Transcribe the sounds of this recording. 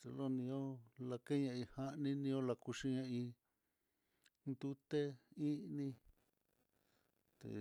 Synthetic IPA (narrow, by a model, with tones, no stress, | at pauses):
t̪e˧lo˦nĩ˧o˦la˧ke˦ɲã˧ĩ˧ha˦ʔnĩ˦nĩ˧õ˦la˧ku˧ʃi˧ɲã˧ĩ˧ | nd̪u˦t̪e˦ĩ˦nĩ˧ | t̪ḛ˨